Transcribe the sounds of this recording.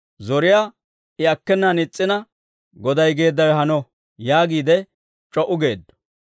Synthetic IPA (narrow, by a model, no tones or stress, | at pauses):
zɔɾɪjaː | ɪɐkːɛnːɐnɪt͡sʼːɪnɐ | ɡɔd̪ɐjɡe̞ːd̪ːɐjhɐnɔ | jaːɡiːd̪ɛ | t͡ʃʼɔʔʊɡe̞ːd̪ːɔ̥